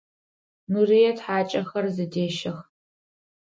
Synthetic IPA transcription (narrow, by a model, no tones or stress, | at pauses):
nurijɛtħaːt͡ʃʼɐxɐrzɨdeːʃɐx